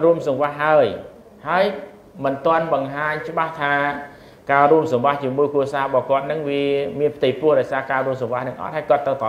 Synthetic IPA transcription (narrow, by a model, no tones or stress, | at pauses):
ruəmsɑŋʋaɦaəj | haəj | mɨnt̪ŏənɓɑŋɦaːɲt͡ɕə̆ɓaht̪ʰaː | kaːruəmsɑmʋaht͡ɕiəmuəjkruəsaːrəɓɑhkŏət̪̚nɨŋʋiəmiənpʰt̪ɨjprʊəhɗaɔjsaːkaːruəmsɑŋʋahnɨŋʔɑ̰t̪̚haːjkŏət̪ːəwt̪ɑ